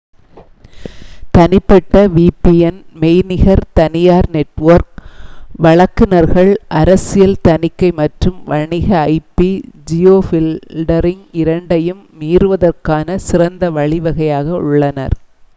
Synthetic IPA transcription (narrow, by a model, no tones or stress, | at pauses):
t̪ɐnɪpːɐʈːɐʋiːpiɛnmɛɪnɪɣɐɾt̪ɐnɪjaːɾnɛʈːʋɐɾk̚ʋɐɭɐkːɪnɐɾɣɐɭʔɐɾɐsɪjɐlt̪ɐnɪkːɐɪmɐʈrɯmʋɐɳɪɣɐːɪpːid͡ʒɪjoːfɪlɖɐɾɪŋɪɾɐɳɖɐjɯmːiːɾɯʋɐðɐrkaːnɐsɪrɐnd̪ɐʋɐɭɪʋɐɣɐjaːɣɐʊ̰ɭːɐnɐ̰ɾ